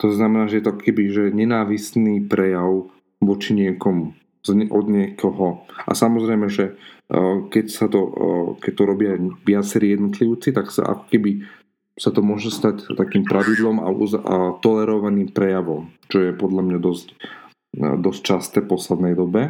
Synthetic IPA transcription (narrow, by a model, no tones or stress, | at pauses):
t̪ɔznamɛnaːʒɛjɛt̪ɔakɔ̥kɛbiʒɛɲɛnaːʋisniːpɾɛjaʊ | ʋɔt͡ʃiɲɪɛkɔmu | zʔɔd̪ɲɪɛkʰɔɦɔʔa̰samɔzɾɛjmɛʒɛ | kɛcsat̪ɔkɛc̚t̪ɔɾɔbɪaʋɪat͡sɛɾiːjɛd̪nɔt̪liʊt͡sit̪aksa̰ʔa̰kɔ̥kɛbi | sat̪ɔmʊɔʒɛst̪act̪akiːmpɾʔaʋid̪lɔma̰uzt̪ɔlɛɾɔʋaniːmpɾɛjaʋɔmt͡ʃɔjɛpɔd̪ʎamɲad̪ɔsc | d̪ɔsc̚t͡ʃast̪ɛːpɔslɛd̪nɛjd̪ɔbɛ